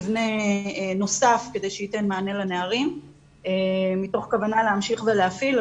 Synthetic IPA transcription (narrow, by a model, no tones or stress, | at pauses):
vne̞no̞safkede̞jʃeite̞nmaːne̞laneaʁim | emito̞χkavanaleamʃiχveleafil